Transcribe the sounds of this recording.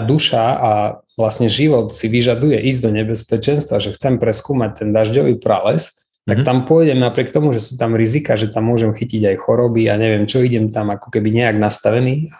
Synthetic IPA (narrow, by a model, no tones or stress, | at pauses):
d̪uʃaa | ʋlasɲɛʒiʋɔt̪siʋiʒad̪ujɛʔizd̪ɔɲɛbɛspɛt͡ʃɛnst̪ʋaʒɛxt͡sɛmpɾɛskuːmac̚t̪ɛnd̪aʒɟɔʋipɾa̰lɛs | t̪akt̪ampʊɔjɟɛmnapɾɪɛk̚t̪ɔmuʒɛsuːt̪amɾizikaːʒɛt̪amːʊɔʒɛmxiciɟajxɔɾɔbiaɲɛʋɪɛmt͡ʃɔiɟɛmt̪amakɔ̥kɛbiɲɛaɡnast̪aʋɛniːa